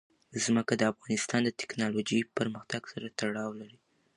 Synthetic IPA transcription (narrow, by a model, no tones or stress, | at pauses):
zməkad̪əafɣɑnɪst̪ɑnd̪ət̪ɪ̥knɑlod͡ʒəjpəɾməxt̪aɡsaɾat̪aɽɑwlaɾi